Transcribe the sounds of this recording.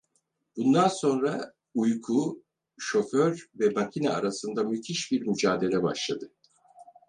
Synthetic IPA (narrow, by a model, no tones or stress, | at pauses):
b̥und̪anso̞nɾa | ujkʰu | ʃo̞føɾvɛbacʰinaa̰ɾasɯnd̪amyt̪ʰiʃbiɾmyd͡ʒaːd̪e̞lʲɛba̰ʃlˠad̪ɯ